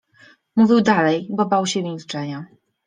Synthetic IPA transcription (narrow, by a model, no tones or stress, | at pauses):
muvʲiwd̪alɛjbɔbawɕɛvʲilt͡ʂɛɲa